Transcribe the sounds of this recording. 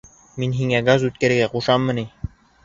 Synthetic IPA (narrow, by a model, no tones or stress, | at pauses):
minɦiŋæɡazʉt̪̚kæɾɘ̆ɡæquʃɑmːɤni